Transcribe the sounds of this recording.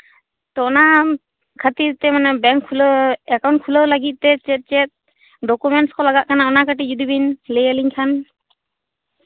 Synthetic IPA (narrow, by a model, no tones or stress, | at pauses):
t̪ɔna | kʰat̪iɾt̪ɛmanɛbɛŋkʰːuləɛkaw̃ɳʈ̚kʰuləlaɡit̪̚ˀt̪ɛt͡ʃɛt̪̚ˀt͡ʃɛt̪̚ | ɖɔkumɛɳʈskɔlaɡaʔ̚kanaɔnakaʈid͡ʒud̪ibinlejəliɲkʰan